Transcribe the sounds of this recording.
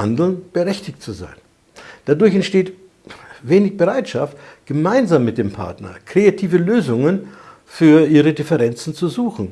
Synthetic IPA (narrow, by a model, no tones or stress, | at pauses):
andl̩nb̥əʁɛçtɪçtt͡suza̰ɪn | d̥adʊɐçɛntʃteːt | veːnɪçb̥əʁaɪtʃaftɡ̥əmaɪnzaːmːɪt̚d̥eːmpʰa̰ɐtnɐ̰kʁ̥eatʰiːvəløːzʊŋən | fyːɐʔiːʁədɪfɛʁɛnt͡sn̩t͡suzuːxn̩